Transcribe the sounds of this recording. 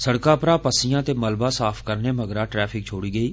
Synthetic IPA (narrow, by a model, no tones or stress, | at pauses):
səɽkaːpɾaːpəsɪjãːt̪eːməlbãːsaːpʰkəɾneːməɡɾaːʈɾɛːpʰɪkt͡ʃʰoːɽiːɡəiː